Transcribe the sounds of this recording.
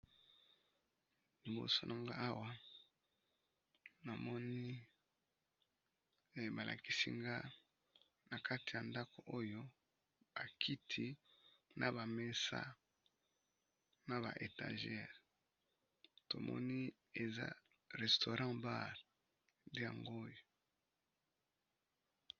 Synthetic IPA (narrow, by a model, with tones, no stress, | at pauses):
li˨ɡo̰˦so˨nʔa˨ŋɡa˦a˦wa˦ | na˨mɔ˦ni˦˨ | ba˨lʔa̰˨ki˦sḭ˦ŋɡa˦ | na˨kʰa˦ti˨ja˨nda˦ko˨ʔo˦jo˦ | ba˨kʰi˦tʰi˦na˨ba˨me˦sa̰˦ | na˨ba̰˨ʔe˨ta̰˨ʒɛ˦˨ʁ | to̰˨mɔ̰˦ni˦ | e˨za̰˦ | ʁɛ˨sto˨ʁã˦ba˦˨ʁ | nde˦ja̰˨ŋɡo˦jo˨